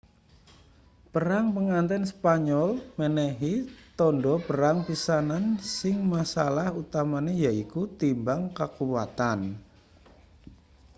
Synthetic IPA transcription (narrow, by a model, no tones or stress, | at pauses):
pəɾaŋpəŋant̪ɛnspaɲɔlmənɛɦit̪ɔndɔpəɾaŋpisanansɪŋmasalahut̪amanejaikut̪imbaŋkakuwat̪an